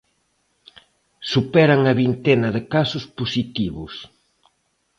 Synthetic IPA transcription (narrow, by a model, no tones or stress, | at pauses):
supɛɾɐŋɐβint̪enɐðɪkasʊsposit̪iβʊs